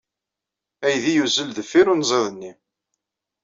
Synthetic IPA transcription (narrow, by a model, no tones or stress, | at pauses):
æjðijuzəlðəfːiɾunzˤɑðənːi